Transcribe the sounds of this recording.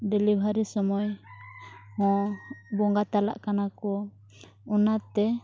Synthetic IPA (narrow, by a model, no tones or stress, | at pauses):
ɖɛlibʱaɾisɔmɔj | hɔ̃bɔŋɡat̪ala̰ʔkanakɔ | ɔnat̪ɛ